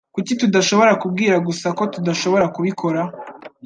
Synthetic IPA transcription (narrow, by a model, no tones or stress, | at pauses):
kucitudaʃo̞βo̞ɾakubɡiːɾaɡusako̞tudaʃo̞βo̞ɾakuβikʰo̞ɾa